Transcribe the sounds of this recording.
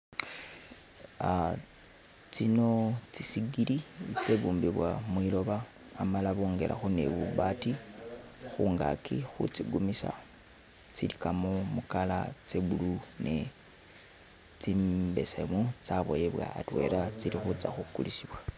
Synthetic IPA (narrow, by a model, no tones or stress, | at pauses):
a | t͡sino̞t͡sisiɡilit͡seβuːmbiβwamwilo̞βaː | malaβoːŋɡe̞lʔa̰xune̞̰βuβati | xuːŋɡa̰kʰixṵt͡siɡumisa̰ | t͡silikamomukala̰t͡seβulunʔe | t͡simbe̞semut͡saβo̰jeβwa̰ːtwe̞̰ːɾat͡silixut͡saxukulisiβwa